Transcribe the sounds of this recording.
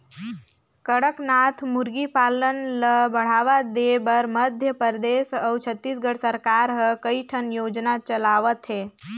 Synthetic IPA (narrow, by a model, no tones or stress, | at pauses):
kəɽəknat̪ʰmuɾɡipalənləbəɽ̤aʋad̪ebəɾməd̪ʱjəpəɾd̪esəwt͡ʃʰət̪ːisɡəɽsəɾkaɾɦəkəiʈʰənjoːd͡ʒnat͡ʃəlaʋət̪ɦeː